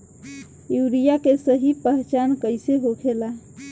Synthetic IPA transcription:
juɾijakesəɦipəɦt͡ʃankəjseɦokʰela

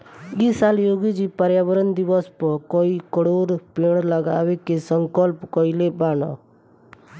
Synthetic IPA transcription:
isaljoːɡid͡ʒipəɾjabəɾənd̪iʋɔspɔkɔikɔɽoːɾpeɳ̃ləɡaːʋekesəŋkɔlpkɔilebaːnɔ̰

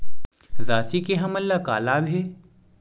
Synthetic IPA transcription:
zaːsikeɦɐmɐlːaka̰ːlaːbʱɦe

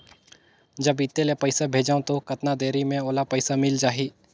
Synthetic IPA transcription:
d͡ʒɐbɪt̪ːelepəɪsabʱeːd͡ʒaːõt̪okɐt̪nad̪eːɾimẽoːlapəɪsamɪld͡ʒaːɦiː

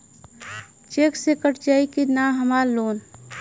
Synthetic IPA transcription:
t͡ʃeːksekəʈʰd͡ʒaːikinaɦəmaːɾloːn

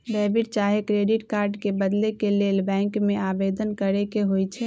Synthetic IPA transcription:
ɖɛbiʈt͡ʃaɦekɾeɖiʈkaːɾɖkebəd̪lekelelbɛ̃ːŋkmẽabed̪ənkəɾekeɦojt͡ʃʰɛ

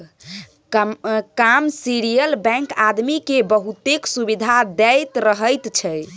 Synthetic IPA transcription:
kamsiɾijəlbɛ̃ŋkad̪mikebəɦut̪eksubid̪ʱad̪ɛjt̪ɾəɦəjt̪t͡ʃʰɛ

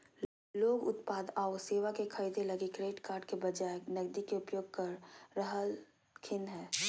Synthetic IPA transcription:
loːɡʊ̰t̪paːd̪aoseːʋakekʰəid̪elɐɡekɾeːʈkaːɾɖkebɐd͡ʒaːenɐɡd̪ikeʊpjoːɡ̚kɐɾːəɦəl | kʰɪnɦɛː

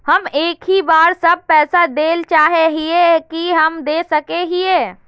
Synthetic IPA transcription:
həmeːkɦibaːɾsəb̚pɛːsad̪eːlt͡ʃaːɦeɦiekiɦəmd̪esəkeɦieː

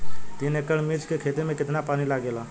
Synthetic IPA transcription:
t̪inekəɽmiɾt͡ʃkekʰet̪emẽkɪt̪napanilaɡela

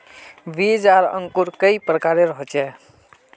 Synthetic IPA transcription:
ʋiːd͡ʒaːɾə̰̃ŋkuɾkəipɾəkaːɾeɾɔɦt͡ʃɛː

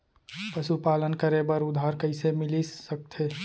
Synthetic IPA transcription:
pəʃupaːlənkəɾebəɾʊd̪ʱɦaːɾkəɪsemɪlisək̚t̪ʰeː

